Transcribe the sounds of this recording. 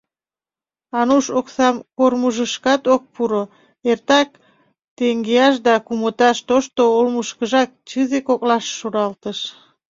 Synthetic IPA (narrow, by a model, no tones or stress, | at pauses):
ɑnuʃoksɑmkormuʒəʃkɑt̪ok̚puɾo | ert̪ɑk̚ | t̪eŋɡeɑʃ̬d̪ɑkumət̪ɑʃt̪oʃt̪oolmuʃkəʒɑk̚t͡ɕɨzekoklɑʃːuɾɑlt̪əʃ